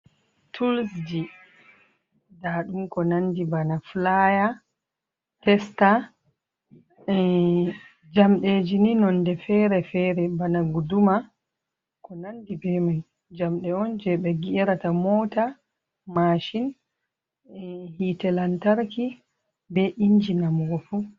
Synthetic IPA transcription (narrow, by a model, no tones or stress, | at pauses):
tʰulsd͡ʒi | daɗumkɔnandibanaflaja | tɛsta | ɛ | d͡ʒamɗed͡ʒininɔndɛfɛɾɛfɛɾɛbanaɡuduma | kɔnandibɛman | d͡ʒamɗɛɔnd͡ʒɛɓɛɡiɛɾatamɔːta | maʃin | hitɛlantaɾki | bɛʔiɲd͡ʒinamɡɔfu